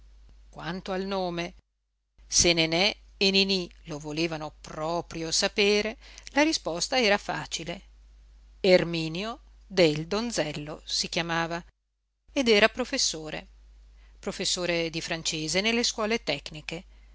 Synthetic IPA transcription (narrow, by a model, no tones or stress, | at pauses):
kwant̪oalnoːme | senenɛ | eninilovoleːvanopɾɔːpɾjosapeːɾelaɾispɔst̪aɛːɾafa̰ːt͡ʃile | ermiːnjo | d̪eld̪onzɛlːo̰sikjamaːva | ed̪ɛːɾapɾofesːoːɾḛ | pɾofesːoːɾed̪ifɾant͡ʃeːzenelːeskwɔːlet̪ɛkːnike